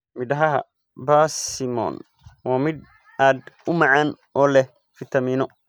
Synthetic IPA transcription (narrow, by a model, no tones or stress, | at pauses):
mɪd̪ɐɦɐɦɐ̰ | baːsɪmɔ̰ːn | waːmɪd̪ | aːd̪ʊmɐʕaːn | ɔːlɛ | fɪt̪ʰɐmiːnɔ